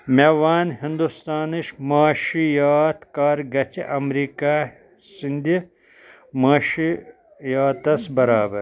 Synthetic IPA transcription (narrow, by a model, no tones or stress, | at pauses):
mewaːnhind̪ust̪aːniʃmaːʃijaːt̪kaːɾɡɐt͡ɕiʔɐmɾiːka | sind̪i | maːʃi | jaːt̪ɐsbɐɾaːbɐɾ